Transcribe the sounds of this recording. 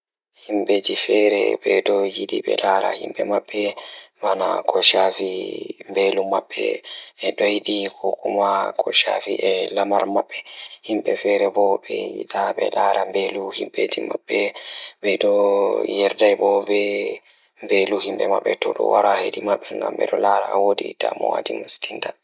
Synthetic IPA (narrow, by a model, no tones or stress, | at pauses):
himɓetifɛɾɛ̰bɛɗɔjidiɓɛ̰laɾa̰himɓɛmaɓːɛwanakʰɔʃafimbelumaɓːɛ̰ɛɗɔjiɗikʰɔkumakʰɔʃafiʔɛlamaɾmaɓːɛhimɓɛfɛɾɛbɔbɛjḭtaɓɛ̰laɾambeluhimɓetimaɓːɛbɛɗɔjɛɾdajbɔbɛ | mbeluhimɓɛmaɓːɛtɔɗɔ̰waɾahedimaɓːɛŋɡambɛ̰ɗɔlaɾawodḭta̰mɔ̰wa̰dimastinta